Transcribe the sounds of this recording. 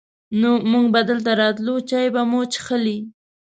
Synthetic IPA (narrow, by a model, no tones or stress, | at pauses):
nomʊŋɡbad̪əlt̪̬aɾɑt̪lut͡ʃɑjbamot͡ʃə̥χəli